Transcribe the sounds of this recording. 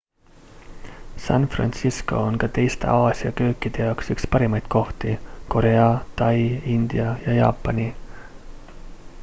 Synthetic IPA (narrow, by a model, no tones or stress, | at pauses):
sɑnfrɑ̰nt̪sisko̞̰onkɑt̪e̞jst̪e̞̰ʔɑːsiɑkø̞ːkːˑid̪̥e̞jɑwksykspɑɾimɑjd̪̥̚kʰo̞ht̪iko̞ɾe̞ɑt̪ɑjind̪̥iɑjɑjɑ̰ːpːˑɑni